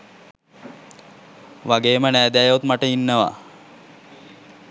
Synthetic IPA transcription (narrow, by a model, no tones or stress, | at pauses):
ʋaɡeːmənæːd̪æjut̪maʈəinːəʋa̰